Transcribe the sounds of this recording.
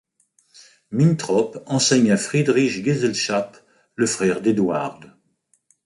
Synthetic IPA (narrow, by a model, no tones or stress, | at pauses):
mint̪χɔpɑ̃sɛɲafχid̪ʁiʃɡezɛlʃap | ləfχɛʁd̪ed̪wa̰ʁd̪